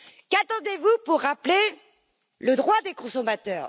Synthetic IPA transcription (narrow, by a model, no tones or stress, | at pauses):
kat̪ɑ̃d̪evupuʁːaple | ləd̪ʁwad̪ekɔ̃sɔmat̪œːʁ